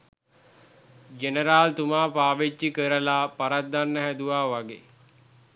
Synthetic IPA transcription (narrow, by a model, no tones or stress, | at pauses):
d͡ʒenəɾaːlt̪umaːpaːʋet͡ʃːikəɾəlapaɾat̪̚d̪anːəɦæd̪uʋaːʋaɡḛ